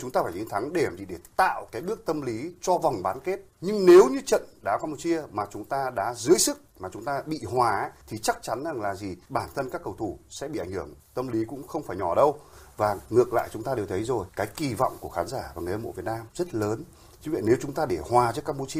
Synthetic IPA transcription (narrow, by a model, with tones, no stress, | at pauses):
t͡ɕʊ˨˦ŋ͡mt̪aː˧faː˧˩t͡ɕi˨˦ŋt̪ʰa˨˦ŋɗe˧˩a˨˩mzḭ˧˨˩ɗe˧˩t̪a̰ː˧˨wkaː˨˦jɓɨ˦˥ək̚t̪ə˧mli˨˦t͡ɕɔ˧vɔ˨˩wŋ͡mɓaː˨˦nke˦˥t̚ɲɨ˧ŋne˨˦wɲɨ˧t͡ɕə̰˧˨nɗaː˨˦wkaː˧mpu˧t͡ɕi˧əmaː˨˩t͡ɕʊ˨˦ŋ͡mt̪aː˧ɗa̰ː˧˥zɨ˨˦əjsɨ˦˥k̚maː˨˩t͡ɕʊ˨˦ŋ͡mt̪aː˧ɓḭ˧˨hwaː˨˩˦t̪ʰi˨˩t͡ɕa˦˥k̚t͡ɕa˨˦nza˨˩ŋlaː˨˩zi˨˩ɓaː˧˩nt̪ʰə˧nkaː˦˥kːə˨˩wt̪ʰu˧˩sɛ̰˧˥ɓḭ˧˨a˧˩ŋhɨ˧˩əŋt̪ə˧mli˨˦kʊ̰˧˥ŋ͡mxə˧wŋ͡mfaː˧˩jɲɔ˧˩ɗə˧wvaː˨˩ŋɨ˨˩ək̚la̰ː˧˨jt͡ɕʊ˨˦ŋ͡mt̪aː˧e˨˩wt̪ʰə˨˦jzo˨˩jkaː˨˦jki˨˩va̰˧˨wŋ͡mku˧˩əxaː˨˦nzaː˧˩vaː˨˩ŋɨ˨˩˨za˧mo̰˧˥vət̚naː˧mzə˦˥t̚ləː˨˦n | t͡ɕɨ̰˨˦ŋvə̰˧˨ne˨˦wt͡ɕʊ˨˦ŋ͡mt̪aː˧ɗe˧˩hwaː˨˩t͡ɕɨ˦˥kaː˧mpu˧t͡ɕi˧ə